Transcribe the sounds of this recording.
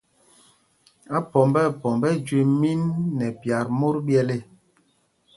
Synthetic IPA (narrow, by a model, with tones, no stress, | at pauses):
a˦pɔ˨mbɛ˦˨pɔ˨mbɛ˦d͡ʒwe˨mi˦nːɛ˨pja˨ɾmo˦ɾbjɛ˦le˦